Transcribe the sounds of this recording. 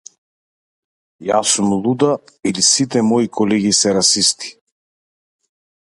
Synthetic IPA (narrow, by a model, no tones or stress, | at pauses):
jasumlˠud̪ailisit̪ɛmɔikʰɔlɛɡisɛɾasist̪i̥